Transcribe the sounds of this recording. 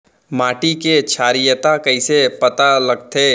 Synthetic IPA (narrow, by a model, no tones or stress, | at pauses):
maːʈiket͡ʃʰaːɾijət̪akɐisepɐt̪alɐɡ̚t̪ʰeː